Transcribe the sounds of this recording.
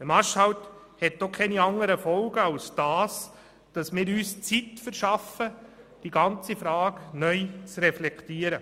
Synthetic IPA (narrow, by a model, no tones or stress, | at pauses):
əmɑʃhɑwt | hɛt̚dokʰɛniɑŋəɾəfɔlɡəɑwsd̥ɑːs | d̥ɑsmɪːɾyːst͡sitfəɾʃɑfəd̥iɡɑnt͡sifɾɑːɡnœʏt͡sɾɛflɛktiːəɾə